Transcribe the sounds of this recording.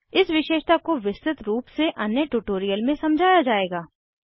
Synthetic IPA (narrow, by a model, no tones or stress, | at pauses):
ɪsʋɪʃeːʃt̪akoʋɪsɾɪt̪ɾuːpseʔɐnjəʈuːʈoːɾijəlmẽsɐmd͡ʒʱaːjad͡ʒaːeːɡaː